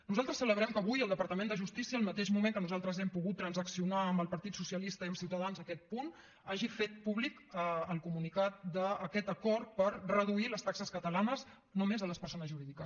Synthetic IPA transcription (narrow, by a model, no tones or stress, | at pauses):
nuzalˠt̪ɾəsːələβɾɛmkəːβujəlˠd̪əpəɾt̪əmẽnd̪əʒust̪isiəːlˠmət̪eʒmumẽŋkənuzalˠt̪ɾəzɛmpuɣut̪ːɾənzəksiunaəmbəlˠpəɾt̪it̪susiəlist̪əiəmsiwt̪əðanzəkɛt̪̚pun | aʒifet̪̚puβlikəəlˠkumunikat̪̚d̪əːkɛt̪əkɔɾt̪pəɾrəðuiləst̪aksəskət̪əlanəz | nomezələspəɾsonəzʒuɾiðikə